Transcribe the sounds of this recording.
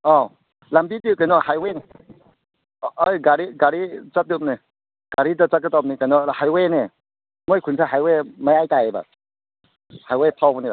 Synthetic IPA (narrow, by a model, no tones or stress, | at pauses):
ɔ | lambidikajnɔhajwejn | ɔjɡaɾiɡaɾit͡ʃat̚dip̚ni | ɡ̥aɾidat͡ʃakɯtap̚nikajnɔhajwene | mojkʰunsaɦajwemajajtajeba̰ | hajwajpʰawbɔniba̰